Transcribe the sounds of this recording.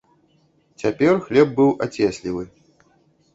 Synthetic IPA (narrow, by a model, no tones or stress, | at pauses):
t͡sʲapʲɛrxlʲɛb̚bɨwʔat͡sʲɛsʲlʲivɨ